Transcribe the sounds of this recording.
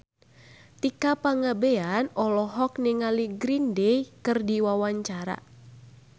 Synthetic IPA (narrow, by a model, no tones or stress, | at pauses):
t̪ikapaŋabeanɔlɔɦɔk̚niŋaliɡɾindejkɨrdiwawaɲt͡ʃaɾa̰